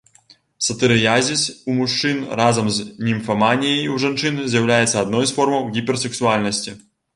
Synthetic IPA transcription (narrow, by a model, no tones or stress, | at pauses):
sɐt̪ɨɾɨjazʲisumuʂt͡ʂɨnrazɐmznʲimfɐmanʲijɐjwʐant͡ʂɨnzʲjawlʲajɛt̪sːɐːd̪̚nɔjsfɔrmɐwɣʲipʲɛrsɛksualʲnɐsʲt͡sʲi